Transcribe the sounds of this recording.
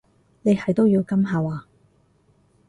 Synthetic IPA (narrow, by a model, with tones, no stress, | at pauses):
ne˨˧jhɐ˨˩jt̪o˥wjiː˧wkɐ˥mɦaː˨˧waː˨˧